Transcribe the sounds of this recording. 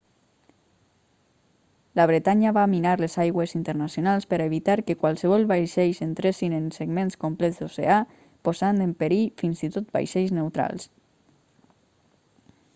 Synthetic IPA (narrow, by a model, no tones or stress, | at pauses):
ləβ̞ɾet̪aɲəβaminaɾlezajɣwezint̪əɾnasjonalˠspəɾaeβit̪aɾkəkwalˠsəβ̞ɔlˠβajʃejzent̪ɾesinenseɡmenskomplɛzd̪osḛa | pozand̪empeɾifinzit̪ot̪̚ba̰jʃɛjznewt̪ɾa̰lˠs